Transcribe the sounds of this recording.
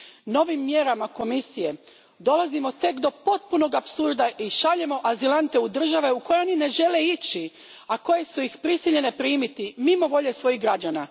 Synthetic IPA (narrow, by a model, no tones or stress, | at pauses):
no̞ʋimːje̞ɾamako̞misije̞ | d̪o̞lˠazimo̞t̪e̞kd̪o̞po̞t̪̚puno̞ɡapsuɾd̪aʔiʃaʎe̞mo̞ʔazilˠant̪e̞ud̪r̩ʒaʋe̞uko̞jeonine̞ʒe̞le̞it͡ɕi | ako̞je̞sujixpɾisiʎe̞ne̞pɾiːmit̪imimo̞ʋo̞ʎe̞sʋo̞jiɣɡɾad͡ʑana